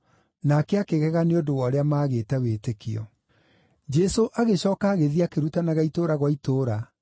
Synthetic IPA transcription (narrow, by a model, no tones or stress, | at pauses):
nakɛakeɣɛɣaneodowɔɾeamaːɣeːtɛweːtekiɔ | d͡ʒɛsoʔaɣeɕɔːkaːɣeðiakeɾutanaɣaitoɾaɣwaitoːɾa